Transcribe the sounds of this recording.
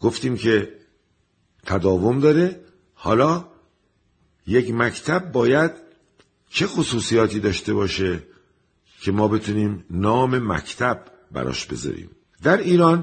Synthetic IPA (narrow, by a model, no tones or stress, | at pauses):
ɡ̥o̞ft̪iːmcʰe̞ | t̪ʰæd̪ɒːvo̞md̪ɒːɾe | hɒ̰ːlɒː | jecmæct̪ʰæb̚ːɒːjæd̪̥ | t͡ʃʰe̞xosuːsijɒːt̪ʰiːd̪ɒːʃt̪e̞βɒːʃe | cʰe̞mɒːbe̞t̪ʰuniːmnɒːme̞mæ̰cʰt̪ʰæbː | æ̰ɾɒ̰ːʃbe̞̰zɒ̰ːɾḭːm | d̪æɾiːɾɒːn